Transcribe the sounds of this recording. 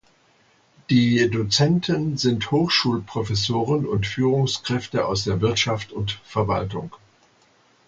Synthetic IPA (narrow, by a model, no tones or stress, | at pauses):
d̥iːdot͡sɛntʰənzɪnthoːxʃuːlpʁ̥ofɛs̬oːʁ̞ənʊntfyːʁʊŋskʁ̥ɛftəʔa̰ʊsd̥eːɐvɪɐtʃaftʊntfɛɐva̰ltʊŋ